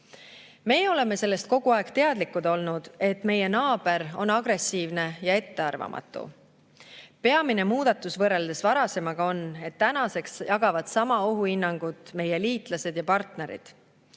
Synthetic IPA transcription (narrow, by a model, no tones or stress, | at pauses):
me̞ːo̞le̞me̞se̞lːe̞st̪̚ko̞ɡ̥uɑe̞ɡ̥t̪e̞ɑd̪likːud̪o̞lnud̪̥e̞t̪ːˑme̞je̞nɑːb̥e̞ɾo̞nɑɡ̥ɾe̞siːvne̞jɑe̞t̪ːe̞ɑrvɑ̰mʔɑ̰t̪ːˑṵ | pe̞ɑmine̞muːd̪̥ɑt̪ːˑusvɤrːeld̪e̞svɑɾɑse̞mɑɡ̥ɑo̞ne̞t̪ːænɑse̞ksjɑɡɑvɑd̪̥sɑmɑoɦuinːɑŋɡ̥ut̪ˑme̞jeliːt̪ˑlɑse̞d̪jɑpɑrt̪ne̞ɾḭd̪̥